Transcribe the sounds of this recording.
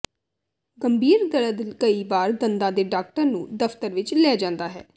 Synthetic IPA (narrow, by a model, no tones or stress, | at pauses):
ɡəmbʱiːɾd̪əɽəd̪ɪlkəiːbaːɾd̪ənd̪ãːd̪eːɖaːk̚ʈəɾnũːd̪əft̪əɾʋɪt͡ʃlɛːd͡ʒãːnd̪aːɦɛ̰ː